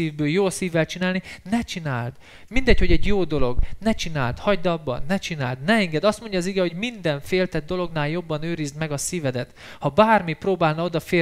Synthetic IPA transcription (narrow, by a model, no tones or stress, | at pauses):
iːvbøːljoːsiːvːɛlt͡ʃinaːlninɛt͡ʃinaːld̪ | mind̪ɛcho̞ɟɛɟjoːd̪o̞lo̞ɡnɛt͡ʃina̰ːlt̪hɒɟd̪ɒbːɒ̰nɛt͡ʃina̰ːld̪nɛɛŋɡɛd̪ɒst̪mo̞ɲɟɒːziɡɛho̞ɟmind̪ɛɱfeːlt̪ɛd̪̚d̪o̞lo̞ɡnaːljo̞bːɒnøːɾizd̪mɛɡɒsiːvɛd̪ɛt̪ | hɒbaːrmiproːbaːlnɒo̞d̪ɒfe